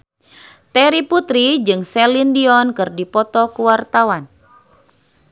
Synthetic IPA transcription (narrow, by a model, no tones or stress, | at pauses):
t̪ɛɾiput̪ɾid͡ʒɨŋsɛlindiɔnkɨrdipɔt̪ɔkuwart̪awan